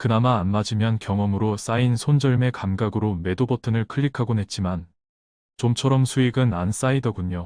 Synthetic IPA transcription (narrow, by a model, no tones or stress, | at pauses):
kɯnamaːnmad͡ʑimjʌnkjʌŋʌmɯɾos͈ainsʰond͡ʑʌɭme̞kamɡaɡɯɾome̞dobʌtʰɯnɯɭkʰɯʎːikʰaɡone̞t̚t͡ɕ͈iman | t͡ɕomt͡ɕʰʌɾʌmsʰuiɡɯnans͈aidʌɡuɲo